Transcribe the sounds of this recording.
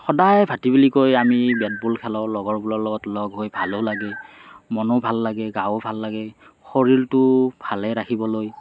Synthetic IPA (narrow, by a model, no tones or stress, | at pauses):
xɔdajbʱatibilikojamibɛtbulkʰɛlɔʊlɔɡɔɹbulɔɹlɔɡɔtlɔɡɦojbʱalolaɡɛmɔnobʱalːaɡɛɡawobʱalːaɡɛ | xoɹiltʊb̥ʱalɛɹakʰibɔloj